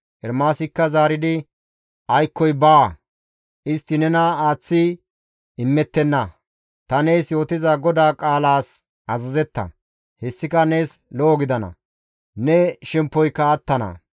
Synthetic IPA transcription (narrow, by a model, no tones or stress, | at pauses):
ʔɛɾmaːsɪkːɐzaːɾɪd̪ɪ | ʔɐjkːɔjbaː | ɪst̪ːɪnɛnɐaːt͡sːɪ | ɪmːɛt̪ːɛnːɐ | t̪ɐneːsjo̞ːt̪ɪzɐɡɔd̪aːkʼaːlaːs | ʔɐzɐzɛt̪ːɐ̰ | hɛsːɪkɐneːsloːɡɪd̪ɐnɐ̰ | nɛʃɛmpːɔjkːɐɐt̪ːɐnɐ̰